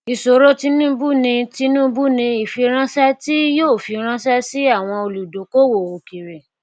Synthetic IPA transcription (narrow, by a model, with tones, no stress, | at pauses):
i˨so˨ɾo˦ti˧nũ˦bu˦nĩ˧ti˧nũ˦bu˦nĩ˧i˨fi˧ɾ̃ã˦sɛ˦ti˦joː˦˨fi˧ɾ̃ã˦sɛ˦si˦a˦˨w̃ɔ̃˧o˧lu˨do˨˦ko˦wo˨o˨ki˨ɾe˨